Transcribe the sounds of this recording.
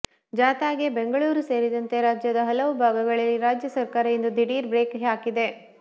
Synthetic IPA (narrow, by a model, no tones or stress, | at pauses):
d͡ʒaːt̪aːɡe̞beŋɡɐɭuːɾuse̞ːɾid̪ɐnt̪e̞ɾaːd͡ʒjɐd̪ɐɦɐlɐʋubʱaːɡɐɡɐɭɐlːiɾaːd͡ʒjɐsɐɾkaːɾɐjind̪ud̪ʱiɽiːɾbɾeːkɦaːkid̪e̞